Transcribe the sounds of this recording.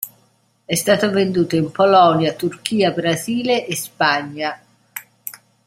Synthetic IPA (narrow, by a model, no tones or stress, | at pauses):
ɛst̪aːt̪ovend̪uːt̪oimpolɔnjat̪urk̟iːabɾaziːleʔːspaɲːa